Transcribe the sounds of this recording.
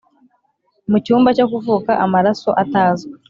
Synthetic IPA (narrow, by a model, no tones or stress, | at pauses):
mucuːmbacokuvuːkaʔamaɾaso̞̰ʔataːzɡe